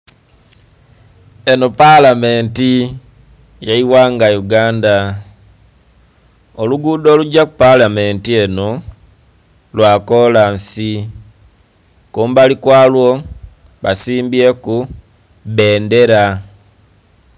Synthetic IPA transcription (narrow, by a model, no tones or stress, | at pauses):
eno̞palame̞ːnti | jaiwaːŋɡajuɡaːnda | oluɡuːdo̞ːluɟakupalameːntie̞no | lwaːkolansi | kuːmbalikwaːlwo | βasiːmbieku | βe̞ːnde̞ɾa